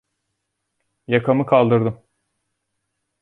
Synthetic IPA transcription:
jakʰamɯkʰalˠd̪ɯɾd̪ɯm

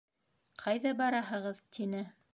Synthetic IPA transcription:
qʰɑjðɑbɑɾɑɦɤ̆ʁɤðt̪ʰinɘ

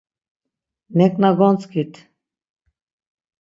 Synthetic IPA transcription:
nɛkʼnaɡɔnt͡skʰit̪ʰ

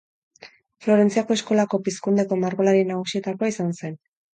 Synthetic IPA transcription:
flo̞ɾe̞nt͡siako̞e̞sko̞lako̞piskund̪e̞ko̞maɾɣo̞laɾinaɣ̞usie̞t̪akoaisanse̞n

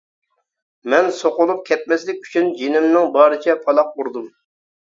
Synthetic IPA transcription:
mɛnsoqʊlˠup̚kʲʰɛt̪̚mɛslɪk̚ʲʰy̥t͡ʃʰynd͡ʒenɪmnɪŋbɑːɾɨt͡ʃʰɛpʰɑlˠɑq̚uɾd̪um

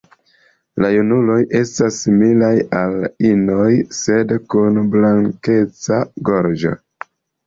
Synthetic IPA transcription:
lajunulo̞jʔe̞stasːimilajalino̞jse̞dkunblaŋke̞t͡saɡo̞ɾd͡ʒo̞̰

